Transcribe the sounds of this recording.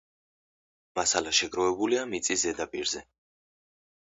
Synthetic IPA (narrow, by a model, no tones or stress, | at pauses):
masalaʃɛɡɾɔvɛbuliamit̪sʼiszɛd̪apʼiɾzɛ